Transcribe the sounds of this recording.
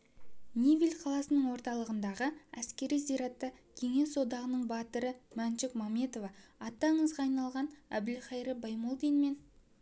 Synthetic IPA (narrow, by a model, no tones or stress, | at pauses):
nʲivilʲqʰɑlˠɑsənəɴwo̞ɾt̪ɑlˠəʁənd̪ɑʁəæskʲe̞ɾijzijɾɑt̪ːɑkʲʰe̞ŋe̞so̞d̪ɑʁənəɴbɑt̪əɾəmænʃɪkmɑme̞t̪o̞vɑɑt̪ːɑɴəzʁɑːjnɑlˠʁɑnæbɪlχɑjɾəbɑjmolˠd̪ijnme̞n